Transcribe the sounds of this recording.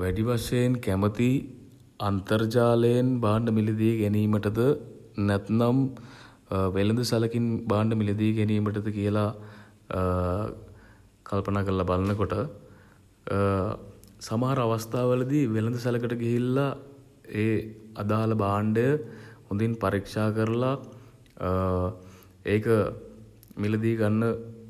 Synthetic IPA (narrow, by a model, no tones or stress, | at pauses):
ʋɛɖiʋaʂəjənkæmət̪i | ɐnt̪ərd͡ʒaːləjənbaːɳɖəmilid̪ijɡɛniːməʈəd̪ənɛt̪nam | ʋelənd̪əsɐlɐkinbaːɳɖəmilid̪ijɡɛniːməʈ̬əd̪əkijəla | kalpɐnaːkəɾəlɐbalənəkoʈə | samɐɦaɾəaʋast̪aːʋələd̪iʋelənd̪əsɐləkəʈəɡiɦilːa | eːad̪aːləbaːɳɖəjəhund̪inpaɾikʂaːkəɾəla | eːkə | miləd̪iːɡanːə